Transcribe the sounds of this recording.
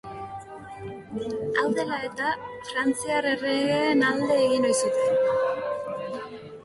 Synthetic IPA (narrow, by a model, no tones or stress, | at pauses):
ald̪elaet̪afrant͡siaɾereɣenald̪eːɣinojsit̪